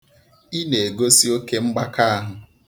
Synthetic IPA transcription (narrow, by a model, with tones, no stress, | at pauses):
i˦ne˨e˨ɡo˦si˦o˦ke˦ŋ͡m̩˦ɡ͡ba˦ka˦a˦ɦʊ˨